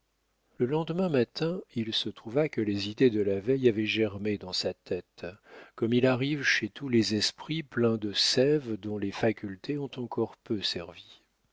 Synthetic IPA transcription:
ləlɑ̃d̪mɛ̃mat̪ɛ̃ilsət̪χuvakəlezid̪ed̪əlavɛjavɛʒɛʁmed̪ɑ̃sat̪ɛt̪kɔmilaʁivʃet̪ulezɛspχiplɛ̃d̪əsɛvd̪ɔ̃lefakʲylt̪ʰeɔ̃t̪ɑ̃kʰɔʁpøsɛʁvi

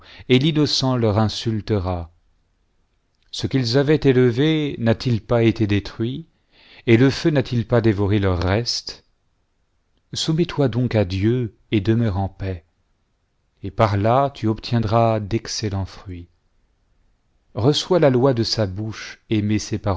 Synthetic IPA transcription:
elinɔsɑ̃lœʁɛ̃sylt̪əʁa | səkʲilzavɛt̪eləvenat̪ilpaet̪ed̪et̪χɥi | eləfønat̪ʰilpad̪evɔʁelœʁːɛst̪ | sumɛt̪wad̪ɔ̃kad̪jø | ed̪əmœʁɑ̃pɛ | epaʁlat̪ʰyɔpt̪jɛ̃d̪ʁad̪ɛkselɑ̃fχɥi | ʁəswalalwad̪əsabuʃemesepaʁ

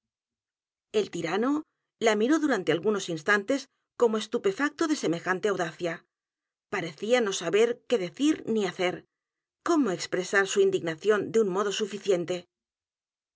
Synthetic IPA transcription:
e̞lt̪iɾano̞ | lamiɾo̞ðuɾant̪e̞alɣuno̞sinst̪ant̪e̞s | ko̞moe̞st̪upe̞fak̚t̪oðe̞se̞me̞xant̪eawðaθja | paɾe̞θiano̞saβe̞ɾke̞ðe̞θiɾniaθe̞ɾ | ko̞mo̞e̞kspɾe̞saɾsuind̪iɣnaθjo̞nd̪eunmo̞ð̞o̞sufiθje̞nt̪e̞

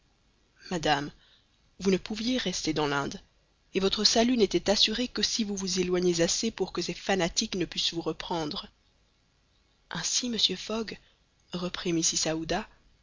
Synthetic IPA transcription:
mad̪am | vunəpuvjeʁɛst̪ed̪ɑ̃lɛ̃d̪ | evɔt̪χəsalynet̪ɛt̪asyʁekəsivuvuzelwaɲezasepuʁkəsɛfanat̪iknəpɥisvuʁəpχɑ̃d̪ʁə | ʔɛ̃siməsjøfɔɡ | ʁəpχimisisaud̪a

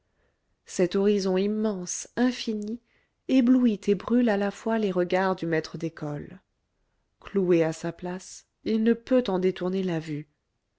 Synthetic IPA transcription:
sɛt̪ɔʁizɔ̃imːɑ̃sɛ̃fini | ebluit̪ʰebʁylalafwaleʁəɡaʁd̪ymɛt̪χəd̪ekʰɔl | klueasaplas | ilnəpøt̪ɑ̃d̪et̪uʁnelavy

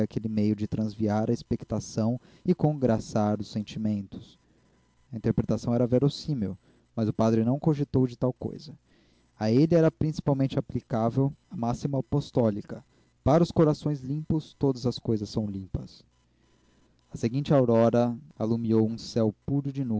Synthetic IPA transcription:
akelɪmejʊd͡ʒɪt̪ɾɐ̃zviaɾɐespekt̪asɐ̃w̃ | ɪkõɡɾasaɾʊsẽnt͡ʃimẽnt̪ʊ̥s | ɐĩnt̪eɾpɾet̪asɐ̃w̃ɛɾɐveɾosĩmew | mɐzʊpad̪ɾɪnɐ̃w̃kõʒet̪owd͡ʒɪt̪awko̰jzɐ | aelɪɛɾɐpɾĩsi̥pawmẽnt͡ʃɪaplikavewɐmasimɐpost̪ɔlikɐ | paɾɐʊskoɾasõj̃zlĩpʊst̪od̪ɐzɐskojzɐsːɐ̃w̃lĩpɐs | ɐseɡĩnt͡ʃɪawɾɔɾɐalumiowũsɛwpuɾʊd͡ʒɪnu

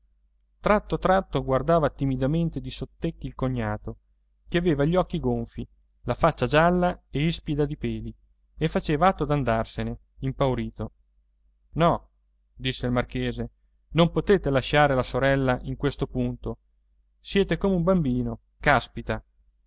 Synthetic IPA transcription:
t̪ɾat̪ːot̪ɾat̪ːoɡward̪aːvat̪imid̪ament̪ed̪isot̪ːekːiːlkoɲːaːt̪o | keaveːvaʎːɔkːiɡoɱfi | lafat͡ʃːad͡ʒalːaeispid̪ad̪ipeːli | efat͡ʃeːvaat̪ːod̪and̪arsene | impawɾiːt̪o | nɔ | d̪isːeilmarkeːze | nompot̪eːt̪elaʃaːɾelasoɾɛlːaʔiŋkwest̪opunt̪o | sjɛːt̪ekoːmeumbambiːno | kaspit̪a

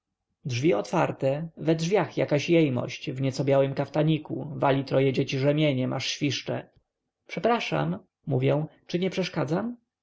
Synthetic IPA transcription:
dʐvʲiɔt̪faɾt̪ɛvɛdʐvʲjaxjakaɕjɛjmɔ̰ɕt͡ɕvɲɛt̪sɔbʲjawɘmkaft̪aɲikuvalʲit̪ɾɔjɛd͡ʑet͡ɕiʐɛmʲjeɲɛmʔaʂɕfʲiʂt͡ʂɛ̰ | pʂɛpɾaʂa̰mː | uvʲjɛw̃t͡ʂɘɲɛpʂɛʂkad̪zam

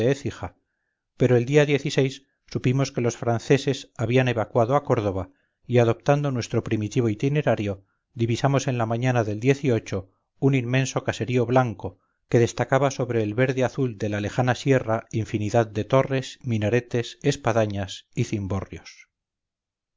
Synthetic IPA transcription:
eeθixa | pe̞ɾoe̞ld̪iaðje̞θise̞jsː | upimo̞ske̞lo̞sfɾanθe̞sesaβiane̞βakwaðoako̞ɾðo̞β̞a | iaðo̞p̚t̪and̪o̞nwe̞st̪ɾo̞pɾimit̪iβ̞o̞it̪ine̞ɾaɾjo̞ | d̪iβisamo̞se̞nlamaɲanaðe̞ld̪je̞θio̞t͡ʃo̞ | uninmːẽ̞nso̞kase̞ɾio̞βlaŋko̞ | ke̞ðe̞st̪akaβaso̞βɾe̞ːlβe̞ɾðeaθuld̪e̞lale̞xanasje̞raiɱfiniðaðd̪e̞t̪o̞re̞sminaɾe̞t̪e̞sespaðaɲasiθimbo̞rjo̞s

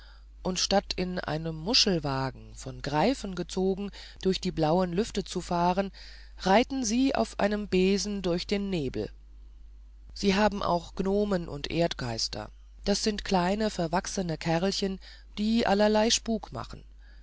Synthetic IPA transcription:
ʔʊntʃtatʰɪnʔa̰ɪnəmːʊʃl̩vaːɡŋ̩fɔnɡʁaɪfən̩ɡət͡soːɡŋ̩ | d̥ʊɐçd̥iːblaʊənlʏftət͡sufaːʁən | ʁaɪtn̩ziːʔa̰ʊfʔa̰ɪnəmbeːzn̩dʊɐçd̥eːnːeːbl̩ | z̥iːɦaːbm̩ʔa̰ʊxɡ̥noːmənʔʊ̰ntʔeːɐtɡ̥aɪstʰɐ̰ | d̥asz̥ɪntkʰl̥aɪnəfɛɐvaksənəkʰɛʁlçən | d̥iːʔa̰lɐlaɪʃpuːkma̰χn̩

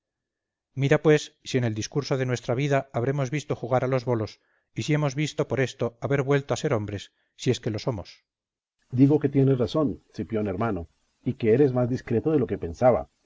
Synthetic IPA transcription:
miɾapwe̞sːie̞ne̞ld̪iskuɾso̞ðe̞nwe̞st̪ɾaβ̞iðaaːβ̞ɾe̞mo̞zβist̪o̞xuɣ̞aɾalo̞zβo̞lo̞s | isie̞mo̞zβist̪o̞po̞ɾe̞st̪o̞aβe̞ɾβwelt̪o̞ase̞ɾo̞mbɾe̞sː | ie̞ske̞lo̞so̞mo̞s | d̪iɣoke̞t̪je̞nesraso̞nsipjoneɾmano | ikeeɾezmazd̪iskɾe̞t̪oðelo̞ke̞pe̞nsaβa̰

